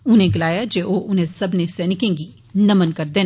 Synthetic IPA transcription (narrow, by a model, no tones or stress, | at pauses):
ʊnẽɡɪlaːjad͡ʒeːʔoːʔʊnɦẽsɐbnesɛːnɪkẽɡi | nɐmənkɐɾd̪eː